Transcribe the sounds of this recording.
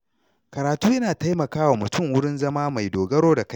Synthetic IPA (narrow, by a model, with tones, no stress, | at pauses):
kɐ˨ɾaː˨tuː˦jɐ˦naː˨ta˦jmɐ˨kaː˦wa˨mʊ˨tʊ˦˨ŋwʊ˦ɽɪ˦nzɐ˦maː˦ma˨jdoː˨ɡɐ˦ɽoː˦da˨ka˦